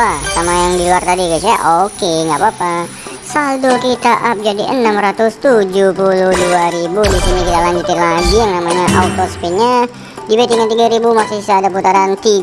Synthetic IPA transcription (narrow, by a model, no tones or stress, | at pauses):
asamajaŋdiluart̪adikasia̰ʔokeŋɡapapa | sadokit̪aʔap̚d͡ʒadiʔənamɾat̪ʊst̪ud͡ʒupulʊhduaɾibudisinikit̪alaɲd͡ʒʊt̪ɪnlaɡijaŋnamaɲaʔaut̪ospiɲa | dibat̪iŋat̪iɡaɾibumaksusisaːdaput̪aɾant̪i